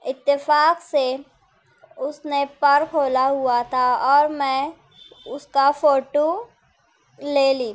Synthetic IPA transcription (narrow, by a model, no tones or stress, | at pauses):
ɪt̪ːɪfaːkse | ʊsnepɐɾkʰoːlaɦʊat̪ʰaɔːɾmɛ̃ | ʊskafoːʈo | leːliː